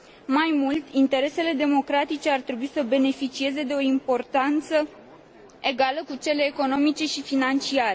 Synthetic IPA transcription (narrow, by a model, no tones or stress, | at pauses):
majmult̪ʲint̪e̞ɾe̞se̞le̞d̪e̞mo̞kɾat̪it͡ʃe̞art̪ɾe̞buisəbe̞ne̞fit͡ʃie̞ze̞d̪e̞o̞impo̞rt̪ant̪sə | e̞ɡaləkut͡ʃe̞le̞ːko̞no̞mit͡ʃe̞ʃifinant͡ʃiaɾe